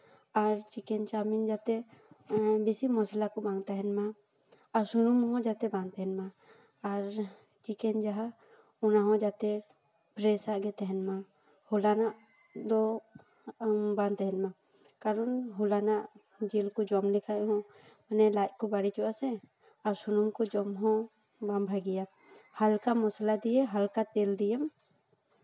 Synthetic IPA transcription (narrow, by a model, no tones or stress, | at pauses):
aɾt͡ʃikɛɲt͡ʃamind͡ʒat̪ɛ | bisimɔslakɔbaŋt̪aɦɛnmaː | ɾsunumɦɔ̃d͡ʒat̪ɛbant̪ɛɦɛnmaː | ɾ | t͡ʃikɛɲd͡ʒaɦa | ɔnaɦɔ̃d͡ʒat̪ɛ | pɾɛsaʔɡɛt̪ɛɦɛnma | hulanaʔ | d̪ɔ | bant̪ɛɦɛnma | kaɾɔnɦulanaʔ | d͡ʒilkɔd͡ʒɔmlɛkʰaʔɦɔ̃ | manɛlaʔ̚ˀkɔbaɽit͡ʃɔʔasɛ | aɾsunumkɔd͡ʒɔmɦɔ̃ | bambʱaɡija | halkamɔslad̪ijɛɦalkat̪ɛld̪ijɛm